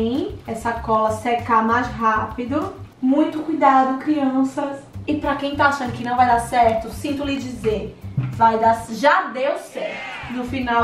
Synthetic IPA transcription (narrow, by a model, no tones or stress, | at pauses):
ĩɛsɐkɔlɐsekamajzɦapid̪ʊmũj̃t̪ʊkujd̪ad̪ʊkɾiɐ̃sɐsɪpɾɐkẽj̃t̪aaʃɐ̃nd̪ʊkɪnɐ̃w̃vajd̪asɛɾt̪ʊsĩnt̪ʊlɪd͡ʒizeɾvajd̪asʒad̪ewsɛɾt̪ʊnʊfinaw